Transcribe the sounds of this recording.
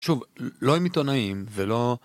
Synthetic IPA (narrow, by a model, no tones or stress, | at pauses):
ʃuvlo̞emit̪onaimvelo̞